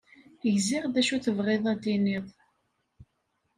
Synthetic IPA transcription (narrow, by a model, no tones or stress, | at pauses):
ʝzɪʁðæʃuθəvʁeðˤæd̪iniðˤ